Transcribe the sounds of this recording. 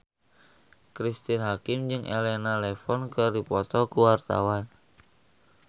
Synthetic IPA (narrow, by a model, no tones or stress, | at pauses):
kɾist̪inɦakɪmd͡ʒɨŋʔḛlɛnalɛfɔnkɨrdipɔt̪ɔkuwart̪a̰wan